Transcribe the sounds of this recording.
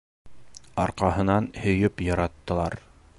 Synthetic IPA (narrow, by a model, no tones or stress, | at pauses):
ɑɾqɑɦɤ̆nɑnhɵ̆jɵpjɑɾɑt̪ːɤ̆lˠɑɾ